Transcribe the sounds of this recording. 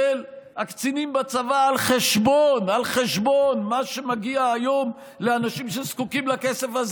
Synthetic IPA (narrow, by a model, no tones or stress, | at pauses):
elakt͡sinimbat͡savaːlχeʃbo̞nalχeʃbo̞nmaʃe̞maɡiaːjo̞m | leanaʃimʃeskukimlakesefaz